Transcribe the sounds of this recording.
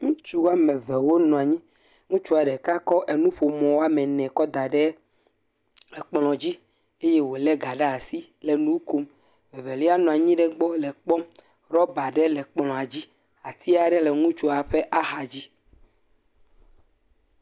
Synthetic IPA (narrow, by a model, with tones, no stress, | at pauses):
ŋũ˦t͡ʃu˦wa˦mɛ˨vɛ˨wo˦nɔ̃˨a˨ɲĩ˦ | ŋũ˦t͡ʃu˦a˨ɖɛ˨ka˦kɔ˦ʔe˨nũ˦ɸo˨mɔ̃˨wo˦a˦mɛ˨nɛ̃˨kɔ˦d̪a˨ɖɛ˦ | lɛ˨k͡pl̃ɔ̃˨d͡ʑi˦ | e˦je˦wo˨lɛ˦ɡa˨ɖe˦a˨si˦ | le˨nũ˦ku˦m | vɛ˨vɛ˨li˦a˦nɔ̃˨a˨ɲĩ˦ɖɛ˦ɡ͡bɔ˦lɛ˨k͡pɔ̃˦m | ɾɔ˦ba˨ɖɛ˦lɛ˨k͡plɔ̃˨a˨d͡ʑi˦ | a˨t̪i˦a˨ɖɛ˦le˨ŋũ˦t͡ʃo˦a˨ɸe˦ʔa˦xa˨d͡ʑi˦